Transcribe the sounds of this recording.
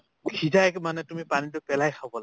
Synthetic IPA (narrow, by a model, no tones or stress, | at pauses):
kʰidajkmanɛtumipanitɔpɛlajkʰabɔl